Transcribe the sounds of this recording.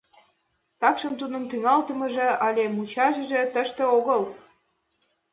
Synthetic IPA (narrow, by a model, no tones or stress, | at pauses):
t̪ɑkʃəmt̪ud̪ə̆nt̪yŋɑlt̪ə̆mɤ̆ʒĕʔɑlʲemut͡ɕɑʒə̆ʒĕt̪əʃt̪ĕoɣɤl